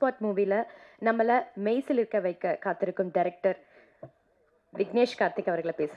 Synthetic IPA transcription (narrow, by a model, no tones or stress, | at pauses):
spaːʈmuːʋilɐnɐmːɐlɐmɐɪsɪlɪɾɯkːɐʋɐɪkːɐkaːt̪ːɪɾɯkːɯmɖɐɾɛk̚ʈɐɾ | ʋɪɡneːʂkaːɾt̪ːɪkʲːɐʋɐɾɣɐɭɐpeːsɯ